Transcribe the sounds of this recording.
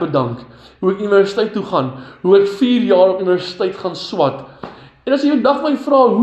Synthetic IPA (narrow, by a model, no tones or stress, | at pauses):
bədɐŋk | ɦuɛkyniværsitəjtːuχɐnɦuɛkfiːrjɑːɾopyniværsi̥təjtχɐnswɐt | ɛnɐsifədɐχmɐifrɑːɦu